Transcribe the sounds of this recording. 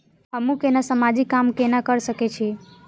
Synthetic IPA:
əmũkenasəmad͡ʒikːamkenãkəɾʃəket͡ʃʰi

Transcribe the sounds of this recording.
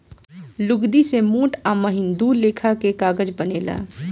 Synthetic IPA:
lʊɡd̪isemuːʈaːməɦɪ̃nd̪uleːkʰakekaːɡəd͡ʒbəneːla̰ː

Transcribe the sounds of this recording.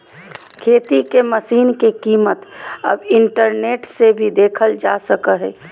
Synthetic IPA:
kʰeːt̪ikeməsiːnkekiːmət̪ɐ̰bɪɳʈəɾneːʈsebʱid̪eːkʰəld͡ʒaːsəkəɦɛː

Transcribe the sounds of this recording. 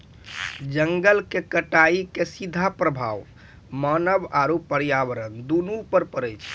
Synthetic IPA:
d͡ʒəŋɡəlkekəʈaikesid̪ʱːapɾəbʱaʋ | mənəbaɾupəɾijabəɾənd̪unupəɾpəɾəjt͡ʃʰ

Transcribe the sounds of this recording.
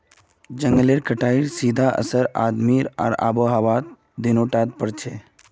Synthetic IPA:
d͡ʒə̃ŋɡəleɾkəʈʰaːiɾsiːd̪ʱaʔə̰səɾa̰ːd̪miːɾa̰ːɾa̰ːboɦaʋaːt̪̚ | d̪inoʈaːd̪̚pəɾt͡ʃʰe

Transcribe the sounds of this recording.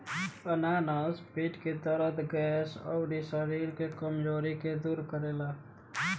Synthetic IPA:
ənaːnaspiːʈket̪əɾət̪ɡɛːsɔ̰ːɖisəɾiːɾkekəmd͡ʒoːɾiked̪uːɾkəɾeːlaː

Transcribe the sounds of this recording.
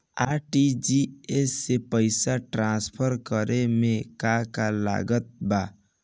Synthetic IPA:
aːʈid͡ʒiesːepəɪsaʈɾãspʰəɾkəɾemẽkakala̰ːɡət̪̚baː

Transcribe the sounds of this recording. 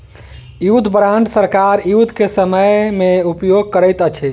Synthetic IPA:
jud̪ʱbɾãɳɖsəɾkaɾjud̪ʱkesəməjmeupjoɡ̚kəɾəjt̪ət͡ʃʰɛ

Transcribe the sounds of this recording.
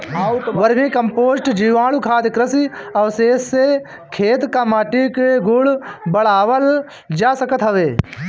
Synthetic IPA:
ʋɐɾmikɐmpoːsʈd͡ʒiːʋãːlukʰaːd̪kɾɐsiɐʋseːsːe | kʰeːt̪kaːmaːʈikɡʊɽbɐɽaːʋəl | d͡ʒaːsɐkət̪ɦɐʋeː

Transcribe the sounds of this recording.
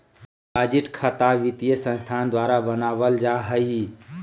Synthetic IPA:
bad͡ʒiʈkʰət̪aʋit̪ijəsə̃nst̪ʰand̪waɾabənabəld͡ʒaɦəj

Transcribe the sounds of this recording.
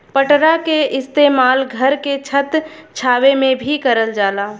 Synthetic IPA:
pəʈɾakeɪst̪eːmaːlɡʱəɾket͡ʃʰət̪t͡ʃʰaːʋemẽbʱikəɾəld͡ʒaːlaː

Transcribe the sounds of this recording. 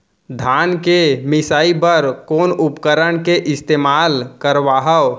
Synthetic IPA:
d̪ʱaːnkemɪsaːibəɾkoːnʊpkəɾəɳ̃keʔɪst̪eːmaːlkəɾʋaːɦəw

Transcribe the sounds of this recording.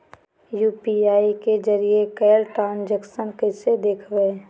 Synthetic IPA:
juːpiaːiked͡ʒəɾiekɛːlʈaːnd͡ʒəksənkəsed̪eːkʰʋeː

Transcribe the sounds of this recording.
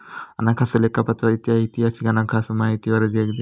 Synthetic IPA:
a̰nakʰasɐlekʰapat̪ɾɐit̪iɦait̪iɦasikanakʰasɐmaɦit̪iʋɐɾɐd͡ʒeɡd̪i

